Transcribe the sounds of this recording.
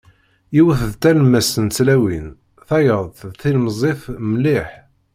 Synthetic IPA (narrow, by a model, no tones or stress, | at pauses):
jiwəθðt̪ælmæsənt͡sːlæwin | θæjəðˤθilmzˤifməliħ